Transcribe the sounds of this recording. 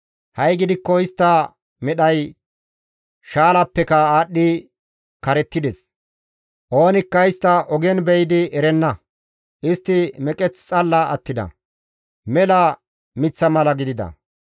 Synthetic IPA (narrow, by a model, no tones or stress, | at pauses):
hɐjɡɪd̪ɪkːɔɪst̪ːɐ | mɛɗɐj | ʃaːlɐpːɛkɐaːɗːɪ | kɐɾɛt̪ːɪd̪ɛs | ʔo̞ːnɪkːɐɪst̪ːɐʔɔɡɛnbɛjd̪ɪʔɛɾɛnːɐ | ʔɪst̪ːɪmɛkʼɛt͡st͡sʼɐlːɐɐt̪ːɪd̪ɐ̰ | mɛlɐ | mɪt͡sːɐmɐlɐɡɪd̪ɪd̪ɐ̰